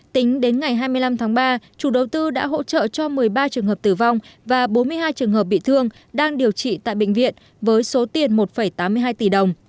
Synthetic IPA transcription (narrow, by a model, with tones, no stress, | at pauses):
t̪ï˨˦ŋ̟ɗe˨˦nŋa˨˩jɦaː˧jmɨ˧jla˧mt̪ʰaː˨˦ŋɓaː˧t͡ɕu˧˩ɗə˨˩wt̪ɨ˧ɗa̰ː˧˥ɦo̰˧˥t͡ɕə̰ː˧˨t͡ɕɔ˧mɨ˨˩əjɓaː˧t͡ɕɨ˨˩əŋhɦə˨˩p̚t̪ɨ˧˩va˧wŋ͡mvaː˨˩ɓo˨˦nmɨ˧əjɦaː˧jt͡ɕɨ˨˩əŋɦəː˨˩p̚ɓḭ˧˨t̪ʰɨ˧əŋ | ɗaː˧ŋɗi˨˩əwt͡ɕḭ˧˨t̪a̰ː˧˨jɓḛ˧˨ŋ̟vḭ˧˨ən | vəː˨˦jso˨˦t̪i˨˩ənmo˨˩t̚fə˧˩jt̪aː˨˦mɨ˧əɦaː˧jt̪i˧˨˩ɗə˨˩wŋ͡m